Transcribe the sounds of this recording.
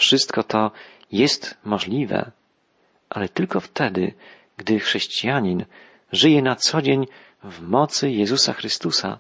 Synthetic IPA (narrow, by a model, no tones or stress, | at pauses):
fʂɘst̪kɔt̪ɔ | jɛst̪mɔʐlʲivɛ̰ | ʔalɛt̪ɘlkɔft̪ɛd̪ɘ̰ | ɡd̪ɘxʂɛɕt͡ɕijaɲin | ʐɘjɛnat̪sɔd͡ʑeɲ | vmɔt̪sɘjɛzusaxɾɘst̪usa̰